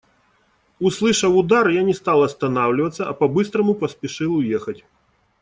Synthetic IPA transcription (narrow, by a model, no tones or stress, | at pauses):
uslˠɨʂɐwʊd̪arjanʲɛst̪alˠɐst̪ɐnawlʲɪvɐt̪sːɐɐpɐbɨst̪ɾɐmupɐspʲiʂɨlˠʊjɛxɐtʲ